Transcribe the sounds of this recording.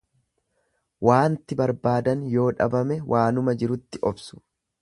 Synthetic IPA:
wʔaːnt̪ɪbɐɾbaːd̪ɐnjo̞ːᶑɐ̰bɐmɛwʔaːnʊmɐd͡ʒɪɾʊt̪ːɪʔɔbsʊ̥

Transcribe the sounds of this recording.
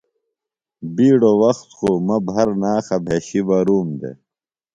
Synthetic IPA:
biːɽowɐxt̪xomɐbʱɐɾnaːxɐbʱeːɕibɐɾuːmd̪ḛ

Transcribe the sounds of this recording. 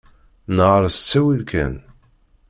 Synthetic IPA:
nəʁɾˤst͡sːæwilkʰæ̰n

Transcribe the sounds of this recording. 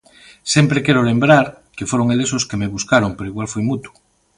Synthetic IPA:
sempɾekeɾolembɾaɾ | kefoɾoŋelesoskemeβuskaɾoŋpeɾoiɣwalfujmut̪u̥

